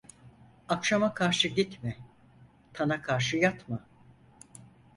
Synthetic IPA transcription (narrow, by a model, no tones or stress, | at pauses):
akʃamakʰaɾʃɯɟit̪mɛ | t̪ʰanakʰaɾʃɯjat̪ma